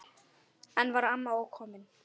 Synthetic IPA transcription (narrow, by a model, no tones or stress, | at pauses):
anvaɾamːaɔkʰɔmɛn